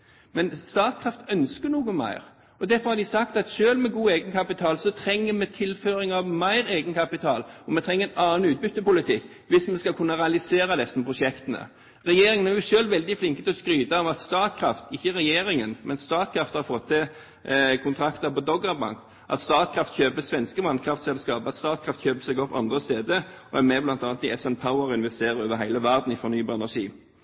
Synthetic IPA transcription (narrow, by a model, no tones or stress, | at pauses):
mɛnst̪ɑːt̪̚kʰɾɑft̪œnskəɳuːɡəmæ̰ɪɾ | ɔd̪æɾfɔɾhɑɾd̪ɪsɑkt̪ɑt̪ʃøːlmɛɡuːeːɡənkʰɑpɪt̪ʰɑːlsɔt̪ʰɾɛŋːəmɛt̪ʰɪlføːɾɪŋɑʋmæɪɾeːɡənkʰɑpɪt̪ʰɑːlɔmɛt̪ʰɾɛŋəɛnɑːnʉːt̪̚bʏt̪ːəpʊlɪt̪ʰɪkː | ʋɪsmɛskɑkʰʉnːɑɾɛɑlɪseːɾɑd̪ɛsənəpʰɾʊʃɛkt̪ənə̰ | ɾɛjeːɾɪŋənæʁjʊʂøːlʋɛld̪ɪflɪŋkət̪ʰɛɔskɾyːd̪ɑɔʋɑt̪st̪ɑːt̪̚kʰɾɑft̪ɪçːəɾɛjeːɾɪŋənmɛnst̪ɑːt̪̚kʰɾɑft̪hɑɾfɔt̪ʰːɛ | kʰʊnt̪ʰɾɑkt̪əpɔd̪ɔɡɑbɑ̰ŋk | ʔɑ̰t̪st̪ɑːt̪̚kʰɾɑft̪çøːpəsʋɛnskəʋɑnkʰɾɑft̪sɛlskɑːpəɑt̪st̪ɑːt̪̚kʰɾɑft̪çøːpəsɛɡɔpːɑ̰nd̪ʁəst̪eːd̪əʔɔæmɛblɑnt̪ɑːnət̪ɪɛsɛnpʰaʊəɾɪnʋɛst̪eːɾəɾoːʋəɾɦæɪləʋæʁd̪n̩ɪfɔɾʁnyːbɑːɾɛnæɾʂḭː